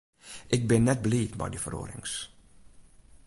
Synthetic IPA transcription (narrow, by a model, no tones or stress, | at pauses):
ʔɪɡ̚bɪnːɛt̚bliːtbɛ̰jdəfəro̰ːɾɪ̰ŋs